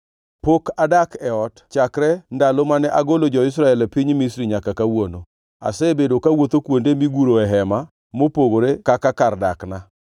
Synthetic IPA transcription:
pokadakɛɔtt͡ʃakɾɛndalomanɛʔaɡolod͡ʒɔɪs̬ɾaɛlɛpɪɲmisɾiɲakakawono | a̰sebedokawot̪okwondemiɡuɾoɛɦɛma | mopoɡoɾekakakardakna

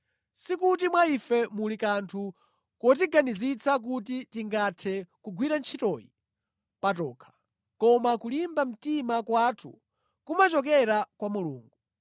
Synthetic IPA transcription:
sikutimwaifɛmulikantʰu | kɔt̬iɡanizit͡sʰak̬ut̬itiŋɡatʰɛkuɡwiɾant͡ʃʰitɔjḭ | patɔːkʰḁ | kɔmakulimbam̩timakwatʰṵ | kumat͡ʃɔk̬ɛɾakwamuluːŋɡu

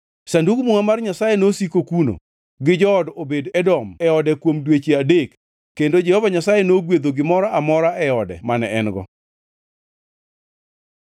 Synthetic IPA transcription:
sandukmuŋamarɲasajenosikokuno̰ | ɡɪd͡ʒɔːdobedɛdɔmɛɔdɛkwomdwet͡ʃeadekː | endod͡ʒɛhɔvaɲasajenoɡwed̪oɡɪmɔɾaamɔɾaʔɛɔdɛ̰manɛɛnɡɔ̰

